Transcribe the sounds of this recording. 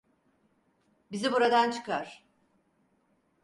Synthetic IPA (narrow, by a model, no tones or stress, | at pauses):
bizibuɾad̪ant͡ʃʰɯ̥kaɾ̥